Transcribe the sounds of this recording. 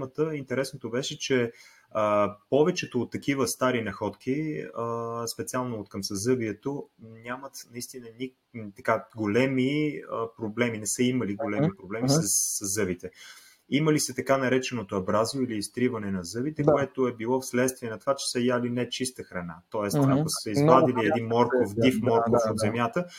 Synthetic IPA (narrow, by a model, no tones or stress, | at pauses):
mət̪əint̪ɛɾɛsnot̪obɛʃɛt͡ʃɛ | əpɔvɛt͡ʃɛt̪oːt̪ːɐkivəst̪aɾinɐxɔt̪k̟iəspɛt̪sialˠnoːt̪kɐmsɐzɤbiɛt̪onʲamət̪nɐist̪inənʲi | t̪ɐkaɡolɛmiəpɾoblɛminɛsəiməliɡolɛmipɾoblɛmisɐəzɤvit̪ɛ | iməlisɛt̪ɐkanɐɾɛt͡ʃɛnot̪oɐbɾazoiliːst̪ɾivɐnɛnɐzɤvit̪ɛkoɛt̪oɛbilˠɔfslɛt̪st̪viɛnɐt̪ovat͡ʃɛ̥səjalinɛt͡ʃist̪əxɾɐna̰t̪ɔɛsakəssɛizbad̪iliɛd̪inmɔɾkofd̪ifmɔɾkofod̪zɛmjat̪ə